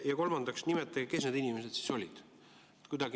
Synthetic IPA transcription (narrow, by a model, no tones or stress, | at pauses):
jɑko̞lmɑnd̪̥ɑksnimet̪ːˑɑɡike̞sne̞d̪inime̞set̪si̥so̞lʲid̪̥ | et̪kujd̪̥ɑɡ̥